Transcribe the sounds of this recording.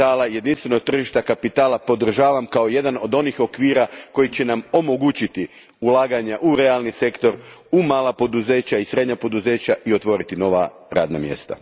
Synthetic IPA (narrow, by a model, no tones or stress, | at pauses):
aːlaje̞d̪inst̪ʋe̞no̞ɡ̚t̪r̩ʒiʃt̪akapit̪aːlapo̞d̪r̩ʒaːʋamkao̞je̞d̪ano̞d̪o̞nixo̞kʋiːɾako̞jit͡ɕe̞namo̞mo̞ɡut͡ɕit̪i | ulaːɡaɲaʔuɾe̞alˠnise̞kt̪o̞ɾumaːlˠapo̞d̪uze̞ːt͡ɕaisɾe̞d̪ɲapo̞d̪uze̞ːt͡ɕaio̞t̪ʋo̞ːɾit̪ino̞ʋa | ɾa̰ːd̪namjḛst̪a̰